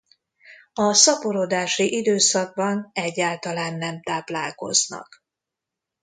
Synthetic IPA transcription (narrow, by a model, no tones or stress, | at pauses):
ɒsɒpoɾod̪aːʃiʔid̪øːsɒɡ̚bɒnɛɟːaːlt̪ɒlaːnːɛmt̪aːplaːlko̞̰znɒ̰k